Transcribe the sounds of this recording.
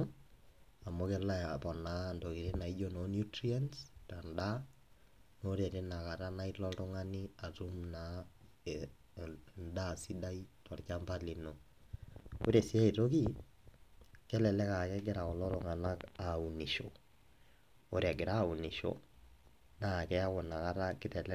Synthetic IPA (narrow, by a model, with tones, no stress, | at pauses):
a˨mo˦kɛ˦la˦ja˨pɔ˨na˨ndo˨ki˨ɾe˦na˨i˦d͡ʒo˦no˨njutɾi˦a˦nsta˨nda˦ | noɾe˨ɾe˦na˨ka˨ɾa˦na˦ilɔ˦tʊ˦ŋa˦ni˦a˨tu˦mna | nda˦si˦da˦itɔ˨ɾka˦mpa˦li˨no˨ | o˦ɾe˨si˦a˦i˨to˦ki˦ | kɛ˦lɛ˨lɛ˦ka˨kɛ˦ɡɛ˦ɾa˨kɔ˨lɔ˦ɾʊ˨ŋa˨na˦ka˨u˨ni˨ʃo˨ | o˦ɾia˨ɡɪ˨ɾa˦˨u˨ni˨ʃɔ̰ | na˦˨kɛ˦a˦kɔ˨na˨ka˦ɾa˦kɪ˦tɛ˨lɛ